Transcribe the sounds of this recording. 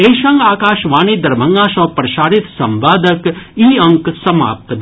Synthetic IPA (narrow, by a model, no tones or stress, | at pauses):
eːʃɐ̃ŋɡaːkaːʃʋaːniːd̪ɐɾbʱɐŋɡaːʃɔ̃ːpɾɐʃaːɾit̪sɐmʋaːd̪ɐkiːɐ̃ŋksɐma̰ːp̚t̪